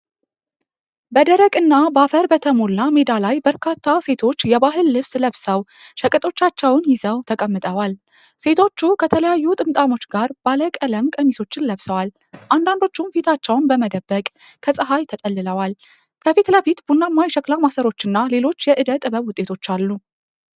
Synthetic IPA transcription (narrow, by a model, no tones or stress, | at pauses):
bəd̪əɾəkʼɨnːabafəɾbət̪ʰəmolːame̞d̪alajbəɾkʰat̪ʰːase̞t̪ʰo̞t͡ʃːjɛbaɦɨlːɨβsləβsəwʃəkʼɨt̪ʼo̞t͡ʃːat͡ʃːɛwnjɪzəwt̪ʰəkʼəmːɨt̪ʼəwal | se̞t̪ʰo̞t͡ʃːukʰət̪ʰələjajːut̪ʼɨmt̪ʼamo̞t͡ʃːɡaɾb̥aləkʼələmkʼəmiso̞t͡ʃːɪnləβsəwal | ʔand̪and̪o̞t͡ʃːumfit̪ʰat͡ʃːɛwnbəməd̪əbːəkʼkʰəsʼɨɦajt̪ʰət̪ʼəlːɨləwal | kʰəfit̪ləfit̪bunːamːajʃəkʼlamasəɾo̞t͡ʃːɨnːale̞lo̞t͡ʃːjɛʔɨd̪ət̪ʼɨbəβwʊt̪ʼːe̞t̪ʰo̞t͡ʃːalːu